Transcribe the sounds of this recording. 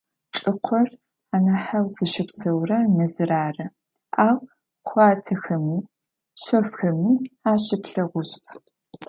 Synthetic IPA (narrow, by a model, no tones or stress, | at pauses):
ʈ͡ʂʼɨqʷʰɔr | aːnɐħawzɨʃɪpsɐwrɐnɐzɨɾaːrɐ | aːw | χʷɑːtʰɐxɐmiː | ɕʷɔfxɐmiːaːɕɪpɬɐʁʷʊɕtʰ